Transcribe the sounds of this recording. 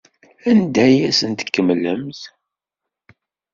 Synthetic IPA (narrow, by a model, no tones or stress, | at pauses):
ænd̪æjæsənt̪ə̥kːəmləmθ